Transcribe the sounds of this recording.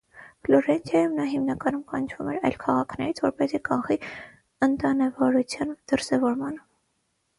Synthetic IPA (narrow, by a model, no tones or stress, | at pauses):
flɔɾɛnt̪ʰjɑjumnɑɦimnɑkɑnumkɑnt͡ʃʰvumɛɾɑ̰jlkʰɑʁɑkʰnɛɾit͡sʰvɔɾpɛzikɑnχi | ənt̪ɑnɛvɔɾut͡sʰjɑnd̪̥əɾsɛvɔɾmɑnə